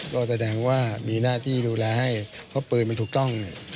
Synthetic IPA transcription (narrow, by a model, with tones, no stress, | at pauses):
kɔː˧˩sa˧dɛː˧ŋwaː˥˩miː˧naː˥˩t̪ʰiː˥˩duː˧lɛː˧ha˥˩jpʰɔ˦˧˥pɤː˨˩t̪̚ma˧nt̪ʰu˨˩k̚t̪ɔ˥˩ŋni˧˩